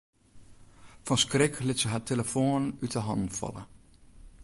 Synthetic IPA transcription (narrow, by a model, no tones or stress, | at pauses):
fɔnskrɪkʰlɪtsəɦatʰeləfoːnytəɦɑ̰nd̩fɑ̰lə̰